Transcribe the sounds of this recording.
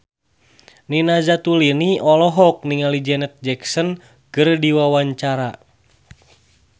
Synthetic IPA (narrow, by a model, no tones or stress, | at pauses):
ninazat̪uliniʔɔlɔɦɔk̚niŋalid͡ʒɛnɛt̪̚d͡ʒɛksɔn | kɨrdiwawaɲt͡ʃaɾa